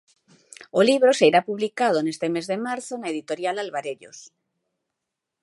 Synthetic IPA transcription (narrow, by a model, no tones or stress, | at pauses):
oliβɾosejɾapuβlikað̞onest̪emezðemaɾθonaeðit̪oɾjalalβaɾeʎo̰s